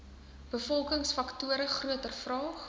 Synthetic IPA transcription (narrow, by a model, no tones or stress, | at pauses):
b̥əfɔlˠkəŋsfɐktuəɾəχruətərfrɑːχ